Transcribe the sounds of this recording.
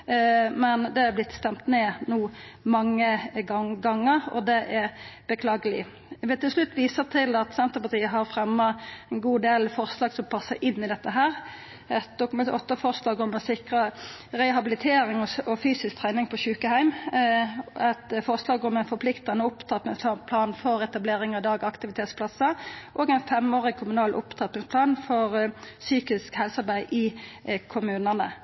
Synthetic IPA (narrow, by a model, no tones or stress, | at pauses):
mɛnd̪ɛɑb̪lɪt̪ːst̪ɛmt̪neːnuːmɑŋːəɡɑŋːəɾɔ̰d̪ɛʔɛɾb̥əkʰlɑːɡəlɪ̰ | ʋɛt̪ɪlsʂlʉt̪ːʋiːsəʁt̪ʰɪlɑt̪sɛnt̪əpɑt̪iːəɦɑɾfɾɛmːɑɛnɡuːd̪eːlfɔʁslɑːɡsɔmpʰɑsːəʔɪnːɪd̪ɛt̪ːəɦæːɾ | ɛt̪̚d̪ʊkmɛɔt̪ːəfɔʁslɑːɡɔmɛnsɪkʁəʁɛɦɑbɪlɪt̪ʰeːɾɪŋɔɔfyːsɪskt̪ʰʁæɪnɪŋpʰɔçʉːkəhæɪm | ɛt̪fɔʁslɑːɡɔmæɛnfɔpʰlɪkt̪ɑnəʊpt̪ʰɑt̪mɪŋsɑpʰlɑːnfɔɾɛt̪ɑbleːɾɪŋɑʋd̪ɑːɡɑkt̪ɪʋɪt̪ʰeːt̪spʰlɑsəʔoːɡæɪnfɛmoːʁɪɡ̚kʰʊmʉnɑːlʔʊ̰pt̪ʰɑːt̪mɪŋspʰlɑːnfɔʁsyːkɪskhɛlsəɑʁbæɪʔɪkʰʊmʉːnənə